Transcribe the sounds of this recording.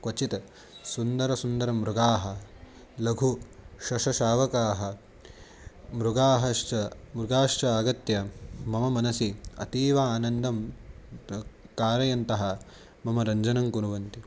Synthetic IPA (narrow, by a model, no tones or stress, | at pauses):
kɐt͡ʃit̪ɐ | sund̪ɐɾɐsund̪ɐɾɐmɾuɡaːɦɐ | lɐɡʱuʃɐʃɐʃaːʋɐkaːɦɐ̆ | mɾuɡaːɦɐʃt͡ʃɐmɾuɡaːʂt͡ʃɐaːɡɐt̪jɐmɐmɐmɐnɐsiɐ̰t̪iːʋɐaːnɐnd̪ʱɐm | kaːɾɐjɐnt̪ɐɦɐ̆ | mɐmɐɾɐɲd͡ʒɐnɐŋkunuʋɐnt̪i